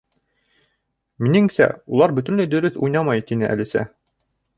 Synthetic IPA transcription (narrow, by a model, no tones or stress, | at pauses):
minɘŋsæ̰ulˠɑɾbɵ̆t̪ɵ̆nlɘd̪ɵ̆ɾɵθujnɑmɑjt̪inɘʔæ̰lisæ̰